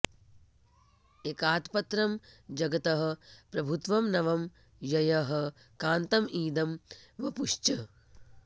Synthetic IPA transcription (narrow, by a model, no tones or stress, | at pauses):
ekaːt̪pɐt̪ɾɐmd͡ʒɐɡɐt̪ɐɦɐ̆pɾɐbʱut̪ʋɐmnɐʋɐm | jɐjɐɦɐ̆ | kaːnt̪ɐmiːd̪ɐmʋɐpuʂt͡ʃɐ